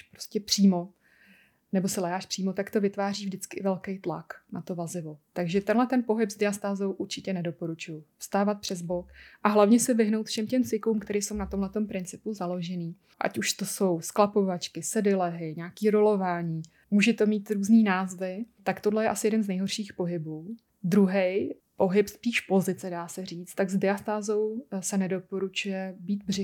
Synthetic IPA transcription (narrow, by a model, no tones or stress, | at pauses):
ʃpɾoscʲɛpr̥iːmo̞ | nɛbo̞sɛlɛɦaːʃpr̥iːmot̪akt̪o̞vɪt̪vaːriːvdɪt͡skɪʔɪvɛlkejt̪la̰knat̪o̞vazɪvo̞t̪aɡʒɛt̪ɛnlɛt̪ɛnpo̞ɦɪpzdɪast̪aːzo̞wʔuɾt͡ʃɪcɛnɛdo̞po̞ɾut͡ʃujʊfst̪aːvat̪̚pr̝̥ɛzbokʔaɦlavɲɛsɛvɪɦnowt̪fʃɛmcɛmt͡sɪkuːmkt̪ɛɾiːso̞wnat̪o̞mɦlɛt̪o̞mpɾɪnt͡sɪpuzalo̞ʒɛniː | ʔa̰cuʃt̪o̞so̞wsklapo̞vat͡ʃkɪsɛdɪlɛɦɪɲaːkiːɾolo̞vaːɲiː | muːʒɛt̪o̞miːt̪ɾuːzniːnaːzvɪt̪akt̪odlɛjɛʔasɪjɛdɛnznɛjɦo̞rʃiːxpo̞ɦɪbuː | d̪ɾuɦɛj | po̞ɦɪpspiːʃpo̞zɪt͡sɛdaːsɛr̝iːt͡st̪aɡzdɪast̪aːzo̞wsɛnɛdo̞po̞ɾut͡ʃujɛbiːt̪̚brɛ